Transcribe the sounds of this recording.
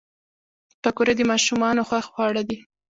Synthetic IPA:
pakuɾad̪əmɑʃumɑnoxwaxxwɑɽad̪i

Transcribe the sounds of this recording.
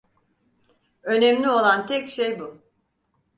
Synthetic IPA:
ø̞nɛmlʲio̞lˠant̪ʰɛcʃejbu

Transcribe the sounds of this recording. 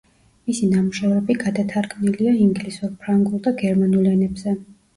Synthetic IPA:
misinamuʃɛvɾɛbiɡad̪at̪ʰaɾɡmniliaiŋɡlisuɾpʰɾaŋɡulˠd̪aɡɛɾmanulɛnɛbzɛ

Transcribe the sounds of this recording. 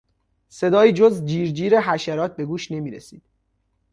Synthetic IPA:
se̞d̪ɒːiːd͡ʒozd͡ʒiːɾd͡ʒiːɾe̞ɦæʃæɾɒːt̪̚be̞ɡuːʃne̞miːɾesiːd̪̥

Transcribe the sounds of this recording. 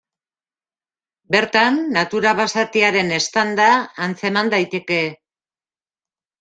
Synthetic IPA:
be̞ɾt̪anːat̪uɾaβasat̪iaɾe̞ne̞st̪and̪aːnt͡se̞mand̪ajt̪e̞ke̞

